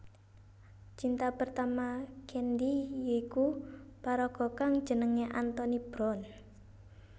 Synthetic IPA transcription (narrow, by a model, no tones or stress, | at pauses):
t͡ʃint̪apərt̪amakʰɛnd̪ijeikupaɾɔɡ̥ɔ̤kaŋd̥ʒ̥ənəŋeʔant̪ɔnib̥ɾɔn